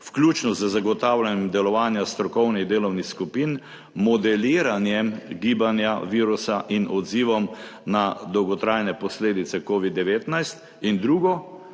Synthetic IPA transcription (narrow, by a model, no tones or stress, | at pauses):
fklʲuːt͡ʃnɔzəzaɡɔt̪aːwlanjɛmd̪ɛlɔʋaːnjast̪ɾɔkɔwniɣd̪eːlɔwnixskupin | mɔd̪ɛliːɾanjɛmɡiːbanjaʋiːɾusaʔinɔd̪ziːʋɔmnad̪ɔwɡɔt̪ɾajnɛpɔsleːd̪it̪sɛkoːʋid̪ːɛʋeːt̪najst̪ | ind̪ɾuːɡɔ